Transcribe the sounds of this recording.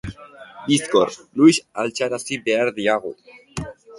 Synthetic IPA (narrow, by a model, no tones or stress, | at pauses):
bisko̰ɾluisalt͡ʃaɾasibeaɾðiaɣ̞ṵ